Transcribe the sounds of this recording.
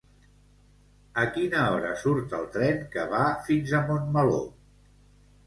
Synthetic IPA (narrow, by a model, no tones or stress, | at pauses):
əkinəɔɾə̰suɾt̪əlˠt̪ɾɛŋkəβ̞afinzəmonməlo̰